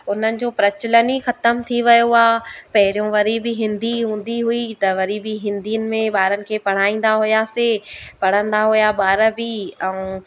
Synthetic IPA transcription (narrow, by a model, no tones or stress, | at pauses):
ʊn̤ənɪ̆d͡ʑoːpɾɐt͡ɕɪlənixɐt̪əmt̪ʰiʋɐjoaːpɐɦɪɾijõʋɐɾibɪɦɪ̃nd̪iɦũːn̆d̪iɦʊit̪ɐʋɐɾibiɦɪ̃nd̪iənɪ̆mẽɓaːɾənɪ̆kʰeːpɐɽ̤aːĩːn̆d̪aɦʊjasepɐɽ̤ə̃nd̪aɦʊjaɓaːɾəbiɛ̃ũ